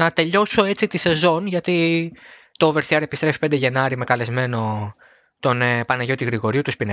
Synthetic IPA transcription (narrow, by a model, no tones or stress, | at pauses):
ɐt̪e̞ʎo̞so̞e̞t͡sit̪ise̞zo̞nʝɐt̪i | t̪o̞ve̞ɾθiɐɾe̞pist̪ɾe̞fi̥pend̪e̞ʝe̞nɐɾime̞kɐle̞zme̞no̞ | t̪o̞nepɐnɐʝo̞t̪iɣɾiɣo̞ɾiut̪uspine